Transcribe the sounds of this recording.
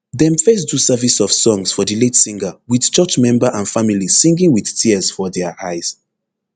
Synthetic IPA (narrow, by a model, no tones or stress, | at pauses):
ðɛ̃mfɛs̬dusɛvisɔv̥sɔ̃ŋsfɔðəletsĩŋɡəwið̥t͡ʃɜt͡ʃmɛ̃mbəʔãnfamilisĩŋɡĩŋwið̥tʰiəz̥fɔðɛʔaɪz̥